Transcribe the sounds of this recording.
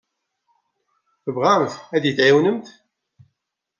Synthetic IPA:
θəvʁamθæd̪jəθʕiwnəmt̪

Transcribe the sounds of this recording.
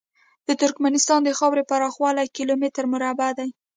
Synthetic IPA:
d̪̥ət̪ʊɾkmanɪst̪ɑnd̪əxɑwɾepaɾɑxwɑlajkilomɪt̪ɾmʊɾabad̪aj

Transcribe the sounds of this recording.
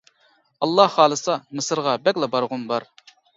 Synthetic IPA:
ɑlˠːɑhːɑːlˠɨsɑmɨsɨɾʁɑbɛkʲlˠɑbɑɾʁʊnbɑɾ

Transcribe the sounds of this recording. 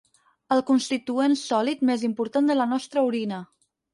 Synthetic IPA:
əlˠkunst̪it̪uensɔlit̪mezimpuɾt̪and̪ələnɔst̪ɾəuɾinə

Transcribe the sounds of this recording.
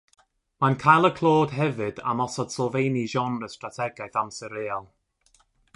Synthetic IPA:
mankʰajlˠəkʰlˠoːd̥ɦɛvɨda̰mɔsɔd̥slɔvejniʒɔnrəstratʰɛɡajθamsɛɾeːɔlˠ

